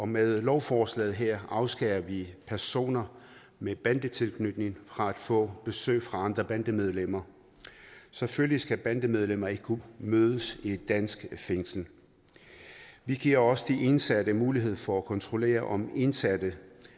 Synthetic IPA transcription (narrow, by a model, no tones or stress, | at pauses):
ɒ̽meðˠlɒʊfɒːslɛ̰ːð̩ˠɦeɐ̰ɑ̈ʊsɡ̥ɛɪɐʋipʰæɐso̝̰ːnɐ | meb̥ænd̥ət͡sʰe̝lkʰnød̥ne̝ŋfʁɑ̈æd̥fɔ̰̽ːb̥e̝sø̰ːɪfʁɑ̈ɑ̈nd̥ʁɐb̥ænd̥əmeð̞ˠlem̰ɐ | seføllisɡ̥æb̥ænd̥əmeð̞ˠlem̰ɐe̝ɡ̥ə̥kʰumøːðˠəsid̥æn̰sɡ̥feŋsl̩ | ʋiɡ̥iɐ̰ɒ̽səd̥iʔe̝nsæd̥əmuːliɦe̝ð̰ˠfɒ̽ækʰɒ̽nt͡sʰʁo̝le̝̰ːɐʔɒ̽me̝nsæd̥ə